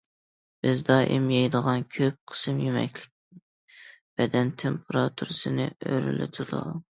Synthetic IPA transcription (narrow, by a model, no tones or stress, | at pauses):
b̥ɪzd̪ɑʔɪmjɑjd̪əʁɑnkʲʰøp̚qʰə̥sɨmjemɛ̰kʲlɪk̪̚ʲɪ | b̥ɛd̪ɛnt̪ʰempʰɾɑt̪ʰuɾɨsɨnɨøɾy̰lɪ̰t̪ʰɪd̪ṵ